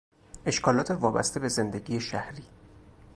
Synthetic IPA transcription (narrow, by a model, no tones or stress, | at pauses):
e̞ʃkɒːlɒːt̪ʰevɒːbæ̰st̪e̞be̞ze̞nd̪e̞ɟiːjeʃæhɾiː